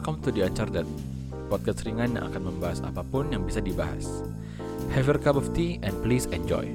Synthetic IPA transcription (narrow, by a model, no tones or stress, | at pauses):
kɔmt̪udiat͡ʃardat̪ | wat̪̚kəsəɾiŋanja̰ŋʔa̰kanməmbaɦasa̰papʊnjaŋbisadibaɦa̰s | hɛvərkabɔft̪iʔɛnplisɛnd͡ʒɔ̰j